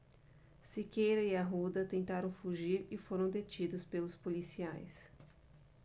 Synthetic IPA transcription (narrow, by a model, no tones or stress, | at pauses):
sikejɾɐiaɦud̪ɐt̪ẽnt̪aɾɐ̃w̃fuʒiɾɪfoɾɐ̃w̃d̪et͡ʃid̪ʊspelʊspolisiajs